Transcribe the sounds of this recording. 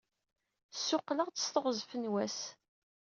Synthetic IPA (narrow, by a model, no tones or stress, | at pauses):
sːʊqːləʁt͡sə̥st̪oʁzfənwæs